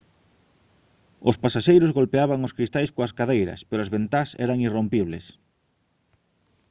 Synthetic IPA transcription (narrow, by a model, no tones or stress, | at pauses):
ospasaʃejɾozɣolpeaβaŋoskɾist̪ajskoaskaðejɾɐ̰speɾoazβent̪asɛ̰ɾaŋirompiβles